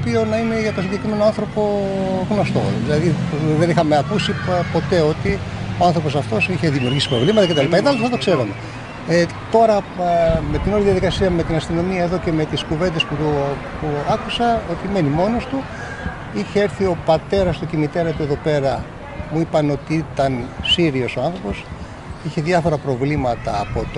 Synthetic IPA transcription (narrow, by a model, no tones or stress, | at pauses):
opio̞nɐine̞ʝɐt̪osiɲɟekɾime̞noanθɾo̞po̞ɣno̞st̪o̞̰ðilɐðiðenixɐmeɐkusipo̞t̪e̞o̞t̪io̞ɐnθɾo̞po̞sɐft̪o̞siçe̞ðimiuɾʝisi̥pɾo̞vlimɐt̪ɐket̪ɐlipaɐet̪ɐlsɐt̪o̞kse̞ɾume̞ | t̪o̞ɾɐme̞t̪inoɾiðijɐðikɐsiɐme̞t̪inɐst̪ino̞miɐe̞ðo̞ce̞me̞t̪iskuve̞nd̪e̞spuu | puɐkusɐo̞t̪ime̞nimo̞no̞st̪u | içeeɾθio̞pɐt̪e̞ɾɐst̪o̞cimit̪e̞ɾɐt̪ue̞ðo̞pe̞ɾɐ | muipɐno̞t̪iit̪ɐnsiɾio̞so̞ɐnθɾo̞po̞s | içe̞ðjɐfo̞ɾɐpɾo̞vlimɐt̪ɐːpo̞t̪o